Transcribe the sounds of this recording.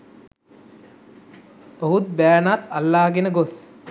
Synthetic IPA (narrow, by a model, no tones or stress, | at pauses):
bəɦut̪̚bæːnat̪alːaːɦɡenəɡos